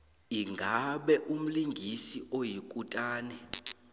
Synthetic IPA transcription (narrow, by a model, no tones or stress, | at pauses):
iŋɡʱaɓɛʔum̩liŋɡʱisiʔojikʼutʼaːnɛ